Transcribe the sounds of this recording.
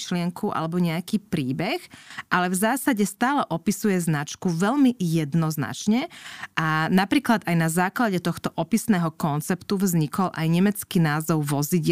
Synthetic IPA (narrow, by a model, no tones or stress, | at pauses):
ʃlɪɛŋkʰuʔa̰lɛbɔɲɛakiːpɾiːbɛxʔalɛvzaːsaɟɛst̪aːlɛʔɔpisujɛznat͡ʃkuʋɛlmijɛd̪nɔzna̰t͡ʃɲɛʔanapɾiːklad̪ajnazaːklaɟɛt̪ɔxt̪ɔʔɔpisnɛːɦɔkɔnt͡sɛpt̪uvzɲikɔlʔa̰jɲɛmɛt͡skiːnaːzɔʊʋɔziɟ